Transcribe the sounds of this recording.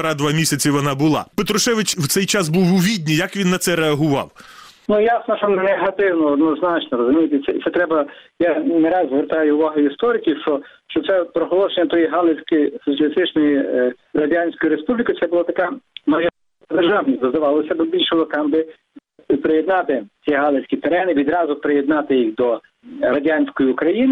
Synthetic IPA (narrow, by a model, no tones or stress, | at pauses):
ɾɑd̪ʋɑmʲisʲɐt͡sʲiʋɔnɑbʊlˠɑ̰pet̪ɾɔʃɛʋɪt͡ʃwt̪sɛjt͡ʃɑsbuwʊʋʲidʲnʲijɐkʋʲinːɐt̪sɛɾeɐɦʊʋɑ̰w | nujasnɔʃt͡ʃɔneɦɐt̪ɪwnɔːd̪nɔznɑt͡ʃnɔɾɔzʊmʲijɪt̪et̪sɛt̪ɛt̪ɾɛbɐjaneɾɑzzʋeɾt̪ɑjʊʊʋɑɦʊist̪ɔɾʲɪkʲiʃt͡ʃɔʃt͡ʃɔt̪sɛpɾɔɦɔlˠɔʃenʲːɐt̪ɔjiɦɑlˠesʲkɪjsɔt͡sʲɐlʲist̪ɪt͡ʃnɔjiɾɐdʲanʲsʲkɔjʊɾespublʲikɪt̪sɛbʊlˠat̪ɐkamɐʒɪ | d̪erʒɑʋnʲisʲd̪ɔzd̪ɐʋɑlˠɔsʲɐbɪbʲilʲʃɪlˠɐkɑmbɪ | pɾɪjɛd̪nɑt̪ɪt͡sʲiɦɑlˠesʲkʲit̪eɾɛnɪʋʲid̪ɾɑzʊpɾejed̪nɑt̪ɪjixd̪ɔ | ɾɐdʲanʲsʲkɔjiːkɾɐjinɪ